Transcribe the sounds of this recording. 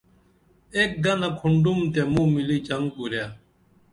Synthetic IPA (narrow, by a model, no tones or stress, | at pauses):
ek̚ɡɐnɐkʰuɳɖumt̪emũːmiliːd͡ʑɐŋɡpuɾjaː